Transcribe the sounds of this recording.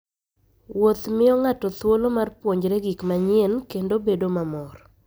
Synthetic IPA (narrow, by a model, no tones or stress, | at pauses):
wot̪mɪɔŋatɔt̪wolomarpwoɲd͡ʒɾɛɡikmaɲɪɛnkendobedomamɔr